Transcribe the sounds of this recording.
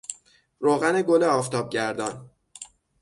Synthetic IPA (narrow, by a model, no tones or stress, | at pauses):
ɾoːɣæneɡoleɒːft̪ʰɒːb̚ɟæɾd̪ɒːn